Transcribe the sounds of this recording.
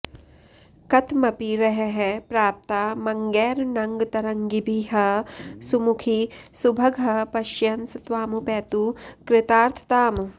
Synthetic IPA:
kɐt̪ʰmɐpiɾɐɦeɦepɾaːp̚t̪aːmɐŋɡɛːɾnɐŋɡt̪ɐɾɐŋɡibʱiɦɐsumukʰisubʱɐɡʱɐpɐʃjɐnsɐt̪ʋaːmupɛːt̪ukɾɪt̪aːɾt̪ʰt̪aːm

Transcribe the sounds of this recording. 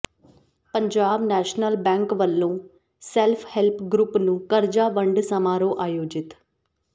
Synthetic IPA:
pəɲd͡ʒaːbnɛːʃnəlbɛ̃ːŋkʋəlːõː | sɛlpʰhɛlpʰɡɾʊpnũːkəɾd͡ʒaːʋəɳɖsəmaːɾõːʔaːjoːd͡ʒɪt̪

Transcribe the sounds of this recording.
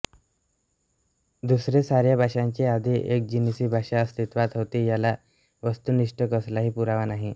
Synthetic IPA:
d̪usɾesaɾjabʱaʂãɲt͡ɕead̪ʱiʔek̚d͡ʑinisiːbʱaʂaəst̪it̪ʋat̪ɦot̪iːjala | ʋəst̪uːniʂʈəkəslaɦiːpuɾaʋanaɦi

